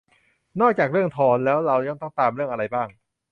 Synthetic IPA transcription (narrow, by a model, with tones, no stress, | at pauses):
nɔː˥˩k̚t͡ɕaː˨˩k̚ɾɯ˥˩əŋt̪ʰɔː˧˩nlɛː˦˥wɾa˧wɲa˥˩ŋt̪ɔ˥˩ŋt̪aː˧mɾɯ˥˩əŋʔa˧ɾa˧jbaː˥˩ŋ